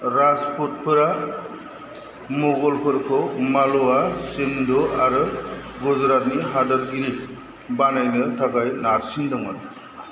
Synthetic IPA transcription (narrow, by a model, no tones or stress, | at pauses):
ɾaspʰɔt̚pʰɯɾa | mɔɡɔlpʰɯɾkʰɔmalɔasendɔaɾɯ | ɡɔzɾat̚niɦadaɾɡiɾi | banajnɯtʰaɡajnaɾsindɔŋad